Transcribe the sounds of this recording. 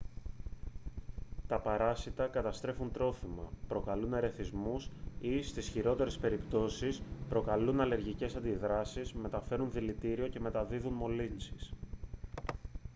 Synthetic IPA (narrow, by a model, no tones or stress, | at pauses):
t̪ɐpɐɾɐsit̪ɐkɐt̪ɐst̪ɾe̞funt̪ɾo̞fimɐ̰pɾo̞kɐlune̞ɾe̞θizmusist̪isçiɾo̞t̪e̞ɾe̞spe̞ɾipt̪o̞sispɾo̞kɐlunɐle̞ɾʝice̞sɐnd̪iðɾɐsizme̞t̪ɐfe̞ɾunðilit̪iɾio̞ce̞me̞t̪ɐðiðunmo̞linsis